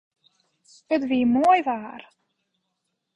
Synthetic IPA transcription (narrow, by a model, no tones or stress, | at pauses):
ətviːmuəjvaːr